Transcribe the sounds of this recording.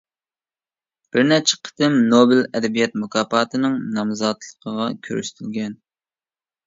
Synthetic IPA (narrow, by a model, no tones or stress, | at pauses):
b̥ɪɾnɛt͡ʃʰɪ̥qʰə̥t̪ɪmnobɪlɛd̪ɛbijɛt̪̚mukʰɑːpɑːt̪ʰɨnɨŋnɑmzɑt̪lˠə̥qʰəʁɑkʲʰø̰ɾy̰ʃt̪ʰylɡʲɛn